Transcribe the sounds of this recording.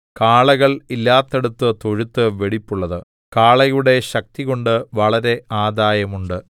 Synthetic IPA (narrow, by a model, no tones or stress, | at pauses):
kaːɭɐɣɐɭilːaːt̪ːeɽut̪ːɨt̪oɻut̪ːɨʋe̞ɽipːuɭːɐðɨ | kaːɭɐjuɽe̞ɕɐk̚t̪iɣo̞ɳɖɨʋɐɭɐɾe̞aːd̪aːjɐmuɳɖɨ